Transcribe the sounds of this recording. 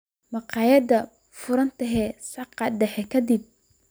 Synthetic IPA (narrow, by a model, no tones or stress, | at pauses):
mɑqɑːjɐd̪ɐ | fʊɾɐnt̪ʰɐɦɛsɑqɑɖɛħɛkʰɐd̪ɪb̚